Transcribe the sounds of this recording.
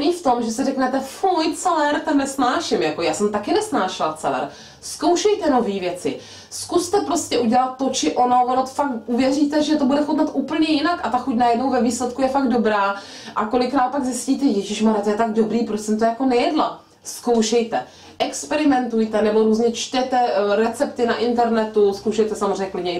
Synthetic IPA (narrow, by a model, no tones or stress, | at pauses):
niːft̪o̞mʒɛsɛrɛknɛt̪ɛfojt͡sɛlɛɾt̪ɛnːɛsnaːʃɪmjako̞jaːsɛmt̪akɪnɛsnaːʃɪlt͡sɛlɛ̰ɾ | skowʃɛjt̪ɛno̞viːvjɛt͡sɪ̰ | skust̪ɛpɾo̞scɛʔuɟɛlat̪̚ːo̞t͡ʃɪʔo̞noɦonot̪fak̚ʔuvjɛriːt̪ɛʒɛt̪obudɛxot̪nat̪ʔuːpl̩ɲɛjɪnakʔat̪axucnajɛdno̞wvɛviːslɛt̪kujɛfaɡdo̞bɾaː | ʔako̞lɪkɾaːt̪̚paɡzɪsciːt̪ɛjɛʒɪʃmaɾɛt̪ojɛt̪aɡ̚do̞bɾiːpɾosɛmt̪ojakonɛjɛdla | skowʃɛjt̪ɛ | ʔɛkspɛɾɪmɛnt̪ujt̪ɛnɛbo̞ɾuːzɲɛt͡ʃt̪ɛt̪ɛɾɛt͡sɛpt̪ɪnaʔɪnt̪ɛɾnɛt̪uskowʃɛjt̪ɛsamozreɛɲɛklɪdɲɛ